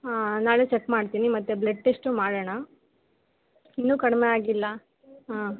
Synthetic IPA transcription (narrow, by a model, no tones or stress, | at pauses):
aːnaːɭet͡ʃekmaːɽt̪iːnimɐt̪ːebleʈːeʂʈumaːɽeɳa | inːuːkɐɽmeaːɡilːɐ | ɦaː